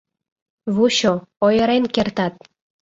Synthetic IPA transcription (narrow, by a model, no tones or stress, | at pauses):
βuɕoojəɾenkert̪ɑt̪̚